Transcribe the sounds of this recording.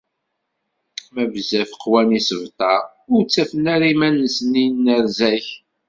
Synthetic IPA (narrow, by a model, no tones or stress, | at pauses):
mævzæfəqːwænisəvt̪ˤɑ | ʊɾt͡sːæfənæɾimænːəsninːəɾzæç